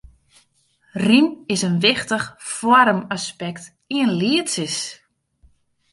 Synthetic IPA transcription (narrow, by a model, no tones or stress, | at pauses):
rimɪsənʋɪxtəχfwɔɾəmaspɛkt | iənliətsəs